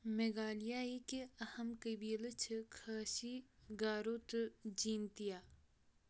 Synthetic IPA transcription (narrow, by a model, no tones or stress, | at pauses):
meɡaːlijaekeɐhɐmkəbiːlt͡ʃʰkʰaːʃiɡaːɾoːt̪d͡ʒiːnt̪ijaː